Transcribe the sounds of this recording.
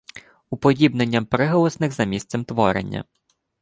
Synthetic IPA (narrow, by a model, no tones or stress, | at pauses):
upɔdʲibnenʲːɐmpɾɪɦɔlˠɔsnɪxzɐmʲist̪sɛmt̪ʋɔɾḛnʲːɐ̰